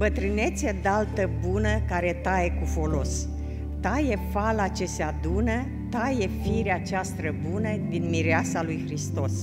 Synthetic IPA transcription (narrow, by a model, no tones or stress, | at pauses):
bət̪ɾɨne̞t̪sʲəd̪alt̪əbunəkaɾe̞t̪ajekufo̞lo̞s | t̪aje̞falat͡ʃe̞sead̪unə | t̪aje̞fiɾeat͡ʃast̪ɾəbunəd̪inmiɾeasalujxɾist̪o̞s